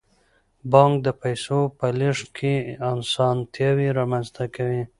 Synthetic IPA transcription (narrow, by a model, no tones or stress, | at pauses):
bɑŋkd̪əpajsopəliʂkʰeɑnsɑnt̪jɑwiɾɑmanzt̪akawi